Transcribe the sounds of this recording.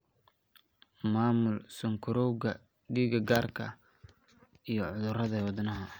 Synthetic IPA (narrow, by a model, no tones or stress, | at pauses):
maːmʊlsɔŋkʰʊɾɔwɣɐ | ɖiːɡɐɡaːrkʰɐ | ijɞʕʊðʊrɐðɐwɑd̪nɐɦɐ